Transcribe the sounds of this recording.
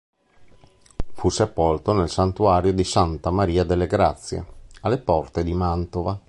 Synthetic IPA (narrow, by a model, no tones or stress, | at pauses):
fusepolt̪onelsant̪uaːɾjod̪isant̪amaɾiːad̪elːeɡɾat̪sːjḛalːepɔrt̪ed̪imant̪ova